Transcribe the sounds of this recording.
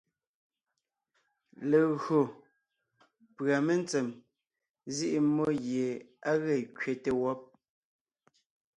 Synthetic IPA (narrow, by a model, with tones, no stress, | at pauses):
le˨ɣɰo˨ | pɰa˨me˦n˦t͡sɛ˨m | zi˦ʔi˦mo˦ɣje˨a˦ɣe˦˨kɥe˨te˨wɔ˦p̚